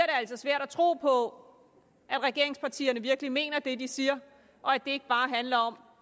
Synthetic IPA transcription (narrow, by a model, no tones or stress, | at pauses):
ɐɾe̝æl̰sɒ̽sʋæɐ̰ɾ̥æt͡sʰʁo̝̰ːpʰɒ̽ | ʔæd̥ʁɛɡ̥e̝ɐ̰e̝ŋspʰɑ̈t͡sʰḭːɐnəʋiɐɡ̥əlime̝̰ːnɐd̥e̝d̥isiːɐ | ʔɒ̽æd̥e̝e̝ɡ̥əb̥ɑ̈ːɦænlɐɒ̽m